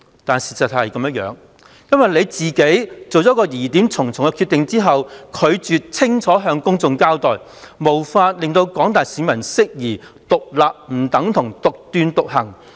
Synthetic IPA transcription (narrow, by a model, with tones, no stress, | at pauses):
t̪aː˨nsiː˨˩sɐ˨t̚hɐ˨jkɐ˨˥mjɐ˥t̚jœ̰ː˨˧˥ŋ | jɐ˥nwɐ˨jle˨˧jt͡siː˨ke˨˥jt͡so˨wt͡sɔː˨˥kɔː˧jiː˨˩t̪i˨˥mt͡sʰʊ˨˩ŋt͡sʰʊ˨˩ŋɛ˧kʰy˧t̪ːɪ˨ŋt͡siː˥ɦɐ˨wkʰɵ˨˧ɥt͡syː˨t̚t͡sʰɪ˥ŋt͡sʰɔː˨˥ɦœː˧ŋkʊ˥ŋt͡sʊ˧ŋkaː˥wt̪ɔː˨˩j | mo˨˩wfaː˧t̚lɪ˨ŋt̪o˧wkɔː˨˥ŋt̪aː˨jsiː˨˧mɐ˨˩nsɪ˥k̚jiː˨˩ | t̪ʊ˨k̚laː˨p̚m̩˨˩t̪ɐ˨˥ŋt̪ʰʊ˨˩ŋt̪ʊ˨k̚t̪yː˧nt̪ʊ˨k̚hɐ˨˩ŋ